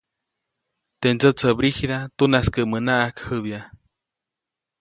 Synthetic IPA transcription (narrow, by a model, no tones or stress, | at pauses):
t̪end͡zət͡səbɾihɾat̪unaskəʔmənaʔakhɨβja